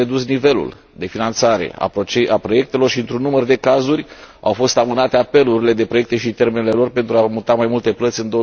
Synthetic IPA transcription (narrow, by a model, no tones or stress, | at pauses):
ed̪usnive̞lṵl | d̪e̞finant̪saɾe̞̰a̰t͡ʃeapɾo̞je̞k̚t̪e̞lo̞rʃiɨnt̪ɾunːumərd̪e̞kazurʲa̰wfo̞st̪amɨnat̪e̞ape̞luɾile̞d̪e̞pɾoe̞k̚t̪e̞ʃit̪e̞rmenele̞lo̞rpe̞nt̪ɾuamut̪amajmult̪e̞plət̪sʲɨnd̪o̞